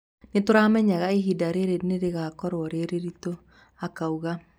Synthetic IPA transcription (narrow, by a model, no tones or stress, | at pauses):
netoɾaːmɛɲaɣaiɦidaɾeɾeneɾeɣakɔɾwɔɾeɾeɾito | akauɣa